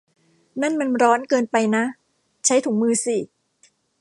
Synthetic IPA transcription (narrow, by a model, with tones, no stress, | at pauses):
na˥˩nma˧nɾɔː˦˥nkɤː˧npa˧jna˦˥ʔ | t͡ɕʰa˦˥jt̪ʰuː˩˦ŋmɯː˧si˨˩